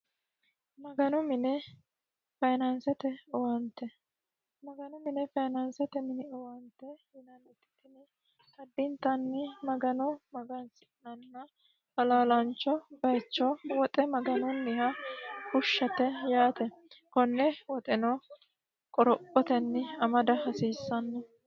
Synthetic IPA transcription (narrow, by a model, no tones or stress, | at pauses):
mɐɡɐnɔmɪnɛ | fɐjnɐnsɛt̪ɛɔwɐnt̪ːɛ | mɐɡɐnɔmɪnɛfɐjnɐnsɛt̪ɛmɪnɪɔwɐnt̪ːɛhɪnɐnɪt̪ːɪ̥t̪ɪnɪ | hɐd̪ːɪnt̪ːɐnːɪmɐɡɐnɔmɐɡɐnsɪ̥nɐnːɐ | hɐlaːlɐnt͡ʃːɔbɐjt͡ʃːɔwɔt̪ʼɛmɐɡɐnɔnːɪhɐkʊʃːɐt̪ɛjaːt̪ɛkɔnːɛwɔt̪ʼɛnɔ | kʼɔɾɔpʼːɔt̪ɛnːɪɐmɐd̪ɐhɐsiːsːɐnːɛ